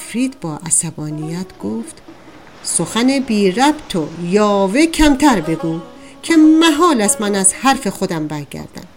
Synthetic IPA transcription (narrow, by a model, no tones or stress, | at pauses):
fɾiːd̪bɒːʔæsæbɒːnijæt̪ʰɡ̥oːft̪ | soxænebiːɾæbt̪ʰojɒːvecʰæmt̪ʰæɾbe̞ɡuː | kʰe̞mæɦɒːlæsmænæzhæɾfe̞xod̪æmbæɾɟæ̰ɾd̪æ̰n